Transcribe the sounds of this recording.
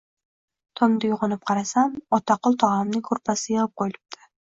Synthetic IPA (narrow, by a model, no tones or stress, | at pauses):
t̪ʰomd̪ɪjuʁonɪp̚qʰɑɾɑsamot̪ɑqʊlˠt̪ʰɑʁɑmnɪŋkʰɵɾpasɪjɤʁəp̚qʰojlˠɪ̥p̚t̪ʰɪ̥